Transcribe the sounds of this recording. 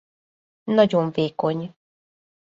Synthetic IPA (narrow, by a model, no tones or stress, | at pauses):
nɒɟo̞ɱveːko̞ɲ